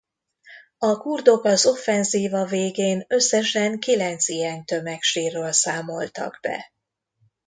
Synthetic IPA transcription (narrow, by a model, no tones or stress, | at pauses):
ɒkurd̪o̞kɒzo̞fːɛnziːvɒveːɡeːnø̞sːɛʃɛŋkilɛnt̪sijɛnt̪ø̞mɛkʃiːrːøːlsaːmo̞lt̪ɒ̰ɡ̥bɛ̰